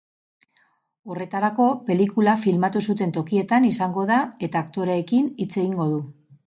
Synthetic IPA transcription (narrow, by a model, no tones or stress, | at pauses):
o̞re̞t̪aɾako̞pe̞likulafilmat̪usut̪e̞nt̪o̞kie̞t̪anisaŋɡo̞ðae̞t̪aːkt̪o̞ɾeːkinit͡se̞ɣiŋɡo̞ð̞u